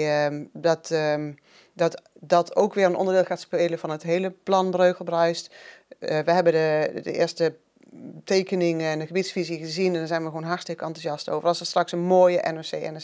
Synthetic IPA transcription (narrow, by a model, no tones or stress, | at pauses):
dɔt | dɔt | dɔtʰowkʋɪːrənʔɔ̰ndədɪːlˠxaːtspejləvɑnətɦejləplɑnbrøːkəlˠbrœɥst | ʋəɦɛbədədə̰ʔɪ̰ːəstə | tejkənɪŋɛndəxəbitsfiziəɣəzinɛndɔnzɛjnʋəxɣʋonɦaɹtstɪkəɑntuzɑsto̰ːvərɑlˠsəstrɑksənmoːjəʔɛ̰noseʔɛ̰n